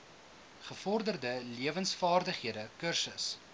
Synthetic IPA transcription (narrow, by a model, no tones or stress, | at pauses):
χəfɔrdərdəliəvənsfɑːrdəχiədəkərsəs